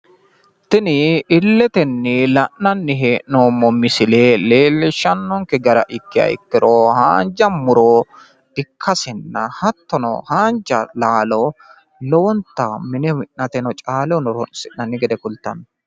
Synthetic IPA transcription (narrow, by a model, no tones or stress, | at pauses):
t̪ɪnɪɪlːɛt̪ɛnːɪlɐʔnɐnːɪɦeːʔnoːmːɔmɪsɪleːleːlːɛʃɐnːɔŋkɛɡɐɾɐ̰ʔɪkːɪɐ̰ɪ̰kːɪɾoːha̰ːnd͡ʒɐmʊɾo̥ː | ɪkʰːɐsɛnːɐ̰hɐt̪ːɔnɔ̰haːnd͡ʒɐlaːlɔ | lɔwɔnt̪ːɐmɪnɛmɪʔnɐt̪ɛnɔt͡ʃʼaːlɛnɔɾɔnsɪʔnɐnːɪɡɛd̪ɛkʊlt̪ːɐnːɔ